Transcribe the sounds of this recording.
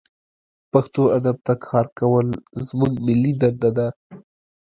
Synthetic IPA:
paxt̪oad̪ab̚t̪akʰɑɾkawəlzmuɡmɪlːid̪and̪ad̪a

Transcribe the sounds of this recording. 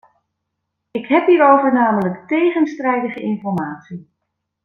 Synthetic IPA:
ɪkɦɛpɦiːɹowvəɹnaːmələktejχənstrɛjdəχəɪnfɔɹmaːtsi

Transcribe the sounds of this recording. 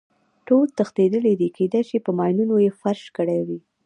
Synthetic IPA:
ʈolt̪əxt̪ed̪əlid̪ikʰed̪ajʃipəmɑjnunojefaɾʃkəɽajwi

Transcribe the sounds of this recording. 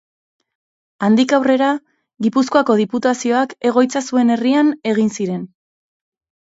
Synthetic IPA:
and̪ikawre̞ɾa | ɣipusko̞ako̞ð̞iput̪asio̞ake̞ɣ̞o̞jt͡sasue̞ne̞riane̞ɣ̞insiɾe̞n

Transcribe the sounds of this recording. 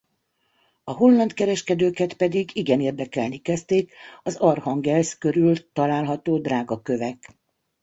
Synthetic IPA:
ɒɦolːɒnt̪kɛɾɛʃkɛd̪øːkɛt̪pɛd̪iɡiɡɛneːrd̪ɛkɛlnikɛst̪eːkɒzɒrhɒŋɡɛlskø̞ɾylt̪ɒlaːlɦɒt̪oːd̪raːɡɒkø̞vɛk

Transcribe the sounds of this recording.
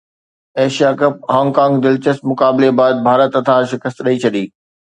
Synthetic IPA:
eːʃijakɐp̚hãːŋɡkãːŋɡd̪ɪlt͡ɕəst̪mʊkaːbɪlebaːd̪̚bʱaːɾət̪ɐt̪ʰaːɾʃɪkəst̪ɗɐit͡ɕʰɐɗiː

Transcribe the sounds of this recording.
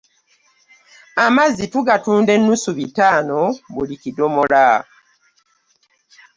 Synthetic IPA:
amazituɡatuːnde̞nːusuβitaːno̞βulikidomola

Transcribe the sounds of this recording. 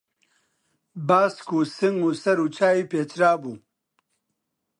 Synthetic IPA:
baːskuːsiŋusɐɾut͡ɕʰaːipeːt͡ɕɾaːbuː

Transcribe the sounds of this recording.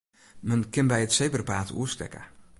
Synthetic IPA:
mənkɪnbɛjətsejbərpaːtṵəstɛ̰kə̰

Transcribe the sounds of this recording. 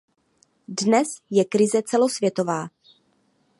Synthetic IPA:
dnɛsjɛkɾɪzɛt͡sɛlo̞svjɛt̪o̞vaː

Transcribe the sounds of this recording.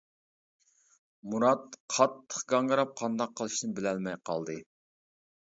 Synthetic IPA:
muɾɑt̪qʰɑt̪ʰːə̥χɡɑŋəɾɑp̚qʰɑnd̪ɑqʰːəlˠɨʃnɨbɪlɛlmɛjqʰɑ̰lˠd̪ɨ

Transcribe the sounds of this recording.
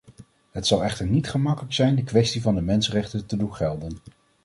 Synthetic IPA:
ɦətsɑlˠɛχtəɹnitχəmɑkələksɛjndəkʋɛstivɑndəmɛnsərɛχtəntədunχɛlˠdən

